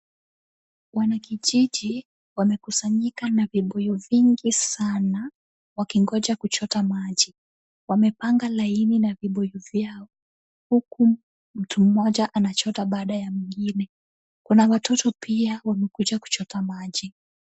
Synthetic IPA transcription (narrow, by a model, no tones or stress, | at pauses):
wanakiʄiʄi | wamɛkusaɲikanaviɓɔjɔviŋɡisana | wakiŋɡɔʄakut͡ʃɔtamaʄi | wamɛpaŋɡalaininaviɓɔjuvjaɔ | huku | m̩tum̩mɔʄaʔanat͡ʃɔtaɓaːɗajamiŋɡinɛ | kunawatʰɔtɔpiawamɛkuʄaku̥t͡ʃɔtamaʄi